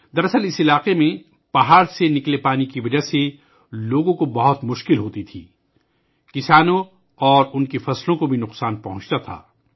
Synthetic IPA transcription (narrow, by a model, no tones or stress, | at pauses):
d̪ɐɾɐsəlɪsɪlaːqemẽ | pɐɦaːɾsenɪklepaːnikiʋɐd͡ʒaɦse | loːɡõkobɐɦʊt̪mʊʃkɪlɦoːt̪it̪ʰḭː | kɪsaːnõ | ɔːɾʊnkifɐslõkobʱinʊqsaːnpɐɦʊ̃t͡ʃt̪at̪ʰa̰ː